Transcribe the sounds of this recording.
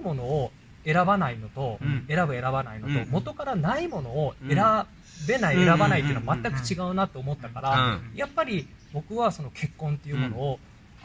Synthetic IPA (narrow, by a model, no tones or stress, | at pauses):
mo̞no̞ː | e̞ɾabanaino̞t̪o̞e̞ɾabɯ̟e̞ɾabanaino̞t̪o̞̰mo̞t̪o̞kaɾanaimo̞no̞ːe̞ɾa | be̞naie̞ɾabanait̪̬ːeːnoamat̪ːakɯ̟̥t͡ɕiɡaɯ̟nat̪ːo̞ːmo̞t̪ːakaɾajapːaɾʲi | bo̞kɯ̟βaso̞no̞kʰe̞kːõ̞nt̪ːe̞iɯ̟ːmo̞no̞ː